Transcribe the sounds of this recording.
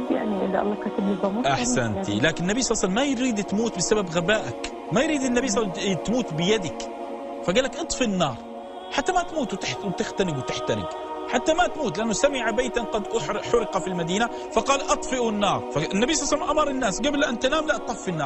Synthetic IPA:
jaʕniʔɪlːʔɑ̰lˤːɑːkat̪ablɪbˤɑmɑʔaħsant̪ḭlaːkɪnɪnːabijsˤɑlːsalːamajɾiːd̪t̪muːt̪bɪsababɣabaːʔak | majɾiːd̪ɪnːabijːsˤːst̪muːt̪bɪjad̪ak | faɡaːlːakʔɨt̪ˤfinːɑːɾˤ | ħat̪ːamat̪muːt̪wɪt̪ɪħwɪt̪ɪxt̪anɪɡwɪt̪ɪħt̪aɾɪ̰ɡ | ħat̪ːamat̪muːt̪lɪʔanːʊsamɪʕabeːt̪anqɑd̪ʔʊħħʊɾɪqɑfilmad̪iːna | fɑqɑːlʔɑt̪ˤfɪʔunːɑːɾˤfanːabijsˤɑːslːamʔɑmɑɾˤɪnːaːsɡablʔant̪anaːmlaʔt̪ˤɑfːinːɑːɾ

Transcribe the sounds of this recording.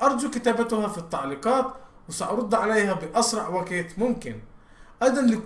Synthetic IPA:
ʔɑɾˤd͡ʒukɪt̪aːbat̪ʊhafit̪ːɑʕliqɑːt̪wsɑʔɑɾˤʊd̪ˤːʕalajhabɪʔɑsɾˤɑʕwakeːt̪mʊmkɪn | ʔæd̪anlɪ

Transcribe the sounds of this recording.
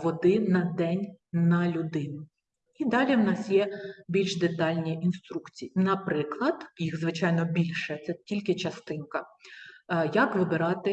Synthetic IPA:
ʋɔd̪ɪnɐd̪ɛnʲnɐlʲʊd̪ɪnʊ | id̪ɑlʲiwnɑsjɛbʲilʲʃd̪et̪ɑlʲnʲiinst̪ɾukt͡sʲijinɐpɾɪklˠɐd̪̥jixzʋɪt͡ʃɑjnɔbʲilʲʃɛt̪sɛtʲilʲkɪt͡ʃɐst̪ɪnkɐ | jɐkʋɪbɪɾɑt̪ɪ

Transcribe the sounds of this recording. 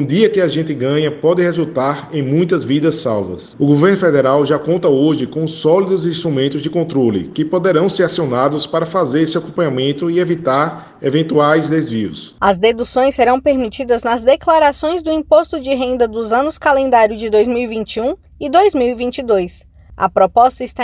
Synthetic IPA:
ũd̪iɐkɪaʒẽnt̪ɪɡɐ̃ɲɐpɔd̪ɪhezut̪aɾẽj̃mũj̃t̪ɐzvid̪ɐsːawvɐ̰sʊɡoveɾnʊfɛd̪ɛɾawʒakõnt̪ɐoʒɪkõsɔlid̪ʊzĩst̪ɾumẽnt̪ʊzd͡ʒɪkõnt̪ɾolɪ̰kɪpod̪eɾɐ̃w̃seɾasionad̪ʊspaɾɐfazeɾsewakõmpɐ̃ɲamẽnt̪ʊievit̪aɾ | evẽnt̪uajzd̪ezviʊs | ɐzd̪ed̪usõj̃seɾɐ̃w̃peɾmit͡ʃid̪ɐznɐzd̪eklaɾasõj̃zd̪ʊĩpost̪ʊd͡ʒɪɦẽnd̪ɐd̪ʊzɐ̃nʊskalẽnd̪aɾjʊzd͡ʒɪd̪ojzmiwivĩnt͡ʃiũ | ɪd̪ojzmiwivĩnt͡ʃid̪ojs | ɐ̰pɾɔpɔst̪ɐɪst̪a

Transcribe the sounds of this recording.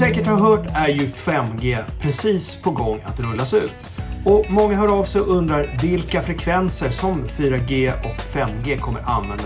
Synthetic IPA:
sɛːkəʈhaɾɦœːʈæɾjɵfɛmːɡeːpʰɾɛsiːspʰɔɡɔŋːa̰t̪ɾɵlːasɛʉ̟ːt̪ | ɔmɔŋːaɦaɾavsɛjɔʔɵnd̪ɾaɾvɪlkafɾɛkʰvɛnsəɾsɔmfyːɾaɡeːɔkfɛmːɡeːkʰɔmːə̰ɾa̰nvɛnd̪

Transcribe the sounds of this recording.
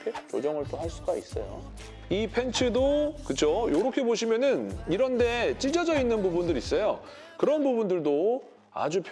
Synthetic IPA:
kʰet͡ɕo̰d͡ʑʌŋɯɭt͈ohaɭs͈uɡaḭs͈ʌ̰jo̰ | ipʰe̞nt͡ɕʰɯdokɯt͡ɕʰojoɾʌkʰe̞boɕʰimjʌnɯniɾʌnde̞t͡ɕ͈id͡ʑʌd͡ʑʌinːɯnbubundɯɾis͈ʌjo | kɯɾʌnbubundɯɭdo | a̰d͡ʑupʰ

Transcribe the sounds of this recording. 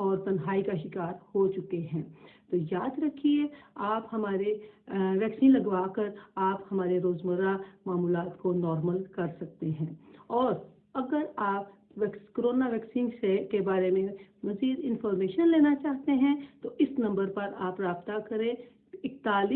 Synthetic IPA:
ɔːɾp̪ɐ̃nɦaːikaʃɪkaːɾhot͡ʃʊkeɦɛ̃ːt̪ojaːd̪ɾɐkʰieaːphɐmaːɾeʋɛːksiːnlɐɡʋaːkɐɾaːphɐmaːɾeɾoːzməɾamaːmuːlaːt̪konɔːɾməlkɐɾsɐk̚t̪eɦɛ̃ːɔːɾ | ɐɡəɾaːp | ʋɛːkskɾoːnaʋɛːksɪ̃nsekebaːɾemẽmɐziːd̪ɪ̃nfɔːɾmeːʃənleːnat͡ʃaːɦt̪eɦɛ̃t̪oʔɪsnɐ̃mbəɾpɐɾaːpɾaːbt̪akɐɾẽ | ɪk̚t̪aːli

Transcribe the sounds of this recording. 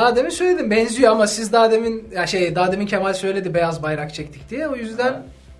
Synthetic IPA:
aːd̪eminsø̞jlʲe̞d̪imbɛnzyjoamasizd̪aːd̪eminjaʃejd̪aːd̪emincʰemalʲsø̞jlʲe̞d̪ibejazbajɾakt͡ʃʰɛct̪ʰi̥c̚d̪ijɛojyzd̪æn

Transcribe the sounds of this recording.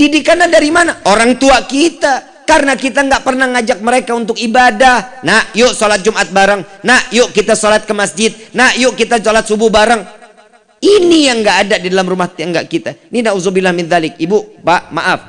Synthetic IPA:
didikanladaɾimanaʔoɾaŋt̪uakit̪a | karənakit̪aŋɡaʔpərnahŋad͡ʒak̚məɾekaunt̪ʊkibadahnahjoʔsolat̪̚d͡ʒumʔat̪̚baɾaŋnahjoʔkit̪asolat̪̚kəmasd͡ʒɪt̪̚nahjoʔkit̪asolat̪̚subʊhbaɾaŋ | inijaŋɡaʔadadidalamrumaht̪əŋɡaʔkit̪aninauzubilahmɪnðalɪk̚ibupaʔma̰ʔaf

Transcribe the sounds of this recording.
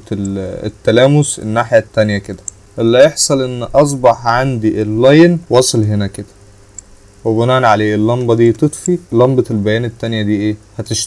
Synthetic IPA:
t̪ːælæːmʊsḛnːaːħjæt̪ːænjæked̪æ | ʔelːæjeħsˤɑlʔenːʔɑs̬ˤbɑħʕand̪iʔelːæjnwɑsˤelɦenæked̪æ̥ | webonæːnʕaleːʔelːɑmbɑd̪iːt̪ˤet̪ˤfilɑmbɑelbæjæːnet̪ːænjæd̪iːʔeːhæt̪eʃt̪

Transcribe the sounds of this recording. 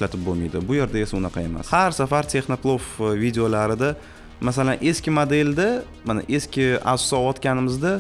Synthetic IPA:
ɪʃlat̪ʰɪp̚bolmḭjd̪ɪbʊje̞ɾd̪ae̞saʊnaqʰɑe̞ma̰shaɾsafaɾt̪ʰe̞χnoklˠofvid̪eolaɾɪd̪a | masalanʔe̞skʲɪmod̪e̞ld̪a | mana̰ʔe̞skʲʰɪa̰ssɒɒt̪kʲanɪmɪzd̪a

